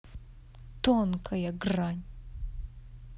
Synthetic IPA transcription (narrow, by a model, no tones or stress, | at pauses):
t̪onkʰɐjɐɡranʲ